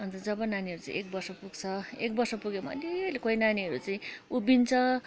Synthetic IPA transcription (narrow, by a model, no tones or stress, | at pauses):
ʌnt̪ʌd͡zʌbʌnaniʌɾut͡sa̰ḭ̃ʔek̚bʌrsʌpuɡt͡sʰʌek̚bʌrsʌpuɡemʌ̰leʌlekoinaniʌɾut͡saĩubint͡sʰʌ